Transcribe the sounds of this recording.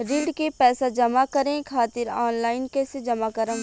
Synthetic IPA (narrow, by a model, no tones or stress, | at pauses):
ɾiːɖkepɛːsad͡ʒɐmakɐɾẽkʰaːt̪ɪɾaːnlaːɪnkeːsed͡ʒɐmakɐɾəm